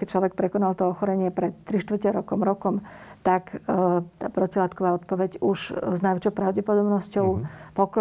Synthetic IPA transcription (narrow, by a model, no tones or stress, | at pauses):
kɛct͡ʃlɔʋɛk̚pɾɛkɔnalt̪ɔɔxɔɾɛɲɪɛpɾɛt̪ːɾiʃt̪ʋr̩cɛɾɔkɔmɾɔkɔmt̪akt̪a̰ːpɾɔcilaːt̪kɔʋaːɔt̪̚pɔʋɛɟuʃznajʋɛt͡ʃɔʊpɾaʊɟɛpɔd̪ɔbnɔscɔʊpɔk